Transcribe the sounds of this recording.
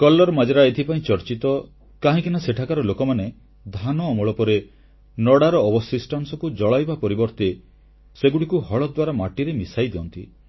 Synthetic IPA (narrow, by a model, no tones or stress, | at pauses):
kɔlːɔɾmad͡ʒaɾaet̪ʰipaĩt͡ʃɔɾt͡ʃit̪ɔ | kaɦĩkinaseʈʰakaɾɔlokɔmane | d̪ʱanɔːmɔɭɔpɔɾe | nɔɽaɾɔːbɔsisʈansɔkud͡ʒɔɭajbapɔɾibɔɾt̪e | seɡuɽikuhɔɭɔd̪waɾamaʈiɾemisajd̪eɔnt̪ḭ